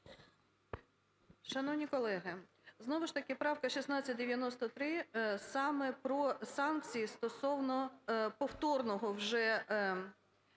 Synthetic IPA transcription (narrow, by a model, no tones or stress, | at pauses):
ʃɐnɔwnʲikɔlˠɛɦɪ | znɔʋʊʃt̪ɐkɪpɾɑwkɐʃʲisnɑt͡sʲːɐt̚ʲd̪eʋʲjɐnɔst̪ɔt̪ɾɪsɑmɛpɾɔsɑnk̚t͡sʲijist̪ɔsɔwnɔpɔwt̪ɔrnɔɦɔwʒɛ